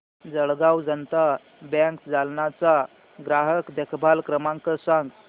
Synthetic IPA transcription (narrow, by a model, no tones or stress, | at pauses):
d͡zəɭɡawd͡zənt̪a | bɛ̃ŋkd͡zalnat͡sa | ɡɾaɦəkd̪ekʰbʱalkɾəmãŋkəsãŋɡ